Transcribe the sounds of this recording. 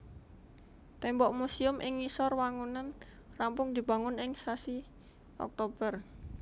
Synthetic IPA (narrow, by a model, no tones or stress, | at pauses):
t̪ɛmbɔʔmusiʊmʔɪ̰ŋːisɔrwaŋunan | rampʊŋd̪̥i̤b̥a̤ŋʊnɪŋsasi | ɔ̰k̚t̪ob̥ər